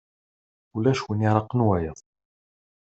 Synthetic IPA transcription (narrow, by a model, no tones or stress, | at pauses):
ulæʃwəniɾˤɑqːənwæjəðˤ